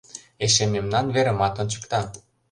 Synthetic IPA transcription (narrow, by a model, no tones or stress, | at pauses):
eʃememnɑnβeɾə̆mɑt̪ŏnt͡ɕə̥̆kt̪ɑ